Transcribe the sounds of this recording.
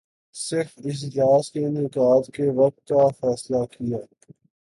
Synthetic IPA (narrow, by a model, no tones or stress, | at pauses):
sɪɾfɪs̬d͡ʒaːskenɪkaːt̪keʋɐk̚t̪̚kafɛːslakijaː